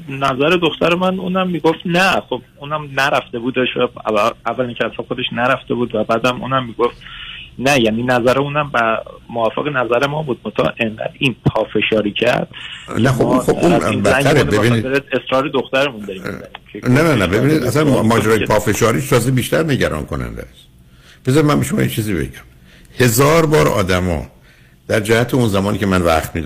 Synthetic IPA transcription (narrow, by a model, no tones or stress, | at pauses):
næzæɾe̞d̪o̞xt̪æɾemænuːnæmːiːɡoft̪næxob̚ | uːnæmnæɾæft̪e̞buːd̪eʃvæævːæliŋcʰeæsæxo̞d̪eʃnæɾæft̪e̞buːd̪væbæːd̪æmṵːnæmːiːɡoft̪næjæniːnæzæɾeuːnæmbæmovɒːfḛɣenæzæɾe̞mɒːbuːd̪̚mont̪ʰɒ̰ʔe̞ŋɢæ̰d̪̥iːnpʰɒːfe̞ʃɒːɾiːcʰæ̰ɾd̪̥næxobxobʔunbæːæɾeebiːnid̪ɾeesɾɒːɾed̪oxt̪æɾemund̪ɒɾimæienænænæbebinid̪æsænmɒːd͡ʒeɾɒːjepʰɒːfe̞ʃɒːɾiːʃt̪ʰɒːzebiːʃt̪æɾne̞ɟæɾʔɒ̰nkʰonæ̰nd̪æ̰st̪ | b̥ezɒɾimænbe̞ʃomɒ̰jḛt͡ʃʰiːziːbe̞̰ɟæm | he̞zɒːɾbɒːɾɒ̰ːd̪æmɒ̰ː | d̪̥æɾd͡ʒæhæt̪ʰeunzæmɒːniːcʰe̞mænvæχt̪miːd̪